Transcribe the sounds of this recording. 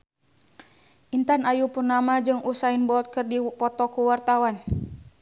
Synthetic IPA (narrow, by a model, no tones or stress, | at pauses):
ʔint̪anajupurnamad͡ʒɨŋʔusainbɔt̪̚kɨrdipɔt̪ɔkuwart̪awan